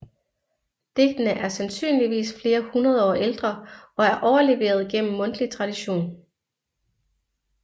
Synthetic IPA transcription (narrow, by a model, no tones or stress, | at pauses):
d̥e̝ɡ̥̚d̥ənəʔæɐsænsy̰ːnliʋḭːsfle̝ːɐhunʁɐð̞̩ˠɒ̰ːeld̥ʁɐɒ̽æɐʔɒʊɐle̝ʋe̝̰ːɐð̞̩ˠɡ̥en̰m̩ːɔ̽nd̥lit͡sʰʁɑ̈d̥iɕo̝̰ːn